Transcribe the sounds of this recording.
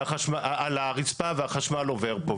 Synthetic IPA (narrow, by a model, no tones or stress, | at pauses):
aχaʃmaalaʁit͡spaveaχaʃmaloveʁpo